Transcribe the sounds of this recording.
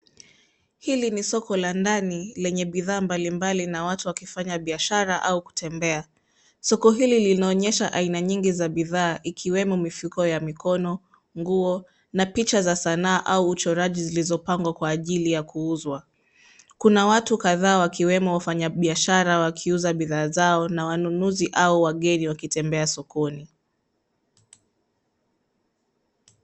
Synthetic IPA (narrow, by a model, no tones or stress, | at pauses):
hilinisɔkɔlandanilɛɲɛɓiðaːmbalimbalinawatuwakifaɲaɓiaʃaɾaʔauku̥tʰɛmbɛa | sɔkɔɦililinaɔɲɛʃaʔainaɲiŋɡizaɓiðaːʔikʰiwɛmɔmifukɔjamikʰɔnɔ | ŋɡuɔ | napit͡ʃazasanaːʔauːt͡ʃɔɾaʄizilizɔpaŋɡwakwaːʄilijakʰuuzwa | kunawatukaðaːwakiwɛmɔwafaɲaɓiaʃaɾawakʰiuzaɓiðaːzaɔnawanunuziʔauwaɠɛniwakitɛmbɛasɔkɔni